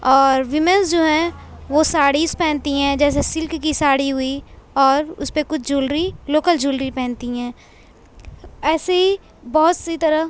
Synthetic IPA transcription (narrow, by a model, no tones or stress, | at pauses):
ɔːɾʋɪmənsd͡ʒoːɦɛ̃ʋoːsaːɽispɛ̃ːnt̪iɦɛ̃ːd͡ʒɛːs̬esɪlkːisaːɽiɦʊiɔːɾʊ̰spekʊt͡ʃʰd͡ʒuːlɾiloːkəld͡ʒuːlɾipɛ̃ːnt̪iɦɛ̃ː | ɛːseɦi | bɔːʊt̪sit̪ɐɾə